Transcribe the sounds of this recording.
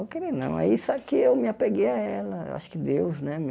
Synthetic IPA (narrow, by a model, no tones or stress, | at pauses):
ewkeɾinɐ̰̃w̃ɛ̰isɛkɪewmɪapeɡejaɛlɐḛwʔa̰ʃʊ̥kɪd̪ewznɛm